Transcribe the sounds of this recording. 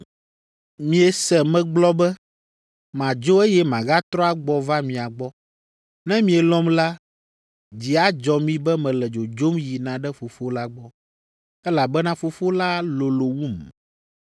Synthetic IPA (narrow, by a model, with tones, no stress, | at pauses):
mĩ˨ɛ˨sɛ˨mɛ̃˨ɡ͡blɔ˦bɛ˦ | mã˨d͡ʒo˦e˦jɛ˦mã˨ɣa˦t̪ɾɔ˦a˨ɡ͡bɔ˨va˦mĩ˨a˨ɡ͡bɔ˦ | nɛ̃˦mĩ˨ɛ˨lɔ̃˦mla˦ | d͡ʑi˨a˦d͡ʒɔ˨mĩ˦bɛ˦mɛ̃˨lɛ˨d͡ʒo˨d͡ʒo˦mji˨nã˨ɖɛ˦fo˨fo˦la˦ɡ͡bɔ˦ | ɛ˦la˨bɛ˦nã˦fo˨fo˦la˦lo˨lo˨wu˦˨m